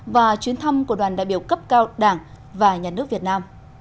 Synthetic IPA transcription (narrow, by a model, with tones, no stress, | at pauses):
vaː˨˩t͡ɕwi˨˦ənt̪ʰə˧mku˧˩ɗwaː˨˩nɗaː˧˨jɓi˧˩əwkə˦˥p̚kaː˧wɗaː˧˩ŋ | vaː˨˩ɲaː˨˩nɨ˦˥ək̚vi˨˩t̚naː˧m